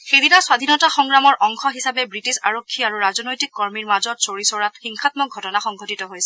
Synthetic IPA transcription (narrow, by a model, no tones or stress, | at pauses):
xeditaswad̪ʱinɔtaxɔŋɹamɔɹʔɔŋxɔɦisabɛbɹitisaɹokʰːiaɹuɹazɔnojtikːɔɹmiɹmazɔtsoɹisɔɹatxiŋxʰatmɔk̚ɡʱɔtɔnaxɔŋɡʱotitɔɦojsɛ